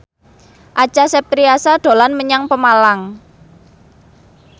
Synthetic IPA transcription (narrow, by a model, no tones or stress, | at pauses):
ʔat͡ʃasɛp̚t̪ɾiasaɖ̪̥o̤lanməɲaŋpəmalaŋ